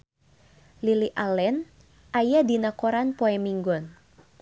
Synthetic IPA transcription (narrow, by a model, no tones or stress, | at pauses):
liliʔalɛn | ʔajadinakɔɾanpoɛmiŋɡɔn